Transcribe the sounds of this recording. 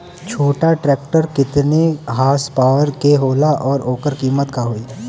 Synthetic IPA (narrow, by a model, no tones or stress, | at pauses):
t͡ʃʰoːʈaʈɾɛːkʈəɾkɪt̪neɦaːspaːʋəɾkeɦoːlaʔɔːɾoːkəɾkiːmət̪kaɦoːiː